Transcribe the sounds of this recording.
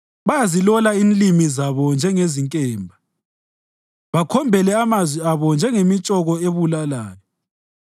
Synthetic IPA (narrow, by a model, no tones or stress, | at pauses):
βajazilɔlainlimizaβɔnd͡ʒʱɛŋeziŋkʼɛːmbʱa | βakʰɔmbʱɛlɛamazwiaβɔnd͡ʒʱɛŋemit͡ʃʼɔɣɔeβulalaːjɔ